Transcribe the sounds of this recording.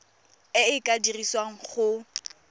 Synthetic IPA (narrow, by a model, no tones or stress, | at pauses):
ɪɪkʼadiriswaŋ̩χʊ